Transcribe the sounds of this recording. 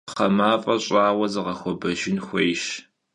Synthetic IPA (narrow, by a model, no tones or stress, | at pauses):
ɐmaːfʼɐɕʼɑːwɐzɨʁɐxʷɔbɐʒɪnxʷejʃ